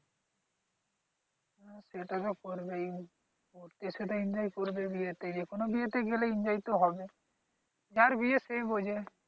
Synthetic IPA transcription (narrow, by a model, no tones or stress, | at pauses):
aseʈat̪ɔkoɾbej | oɾt̪iset̪aiɲd͡ʒajkoɾbebijet̪ed͡ʒekonobiet̪eɡeleind͡ʒajt̪oɦɔbe | aɾbiesejbod͡ʒe